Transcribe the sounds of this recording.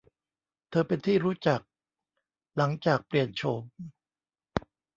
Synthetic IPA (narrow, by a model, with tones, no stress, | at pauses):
t̪ʰɤː˧pe˧nt̪ʰiː˥˩ɾuː˦˥t͡ɕa˨˩k̚ | la˩˦ŋt͡ɕaː˨˩k̚pli˨˩ənt͡ɕʰo˧m